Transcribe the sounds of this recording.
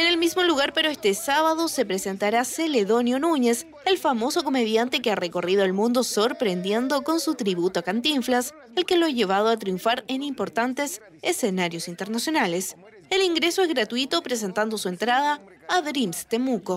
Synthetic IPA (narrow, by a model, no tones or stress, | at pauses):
ene̞lmizmo̞luɣaɾpeɾoest̪esaβaðo̞se̞pɾese̞nt̪aɾaseleðo̞njo̞nuɲe̞s | elfamo̞so̞ko̞meðjant̪ekeareko̞rið̞oelmũnd̪o̞so̞ɾpɾend̪je̞nd̪oko̞nsut̪ɾiβut̪oakant̪iɱflas | elkeloaʝe̞β̞að̞oat̪ɾjũɱfaɾenimpo̞ɾt̪ant̪es | esenaɾjo̞sint̪eɾnasjo̞nale̞s | eliŋɡɾeso̞ezɣɾat̪uit̪opɾes̬e̞nt̪and̪osue̞nt̪ɾað̞aː | ðɾimst̪emuko